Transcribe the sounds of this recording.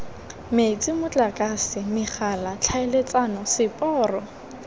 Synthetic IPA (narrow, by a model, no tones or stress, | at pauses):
met͡sʼɪmʊt͡ɬʼakʼasɪmɪχalat͡ɬʰaɪlet͡sʼanɔsɪpʼɔːrɔ